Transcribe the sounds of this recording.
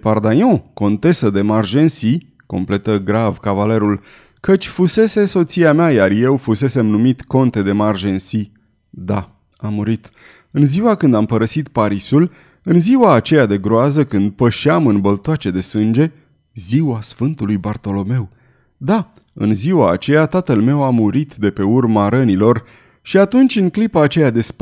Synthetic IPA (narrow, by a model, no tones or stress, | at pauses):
pard̪ajɔ̃ko̞nt̪e̞səd̪e̞marʒe̞nsi | ko̞̰mple̞t̪əɡɾavkavale̞ɾul | kət͡ʃʲfuse̞se̞so̞t̪siameajarje̞wfuse̞se̞mnumit̪ko̞nt̪e̞d̪e̞marʒe̞nsi | d̪a | amːuɾit̪ | ɨnziwakɨnd̪ampəɾəsit̪paɾisul | ɨnziwaːt͡ʃe̞jad̪e̞ɡɾoazəkɨnd̪̚pəʃeamɨnbəlt̪oat͡ʃe̞d̪e̞sɨnd͡ʒe̞ | ziwasfɨnt̪ulujbart̪o̞lo̞me̞w | d̪a | ɨ̰nziwa̰ːt͡ʃe̞jat̪at̪əlme̞wamuɾit̪d̪e̞pe̞urmaɾənilo̞r | ʃiat̪unt͡ʃʲɨŋklipaːt͡ʃe̞jad̪e̞sp